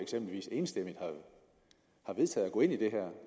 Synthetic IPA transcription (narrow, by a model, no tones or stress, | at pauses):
eɡ̥sem̰bliʋḭːse̝ːnsd̥emi̥hɑ | hɑ̈ʋe̝ð̞ˠt͡sʰɛ̰ːð̩ˠɒɡ̥ɔ̽ːe̝nid̥e̝ɦæɐ̰